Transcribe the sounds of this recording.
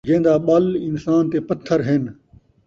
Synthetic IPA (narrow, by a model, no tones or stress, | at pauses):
d͡ʒẽːnd̪aːɓəlɪnsaːnt̪eːpət̪ʰːəɾɦɪn